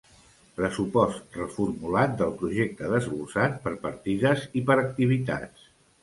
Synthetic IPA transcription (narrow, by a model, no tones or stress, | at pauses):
pɾəsupɔst̪rəfuɾmulat̪̚d̪əlˠpɾuʒek̚t̪əðəzβulsat̪̚pəɾpəɾt̪iðəzipəɾək̚t̪iβ̞it̪a̰tt͡s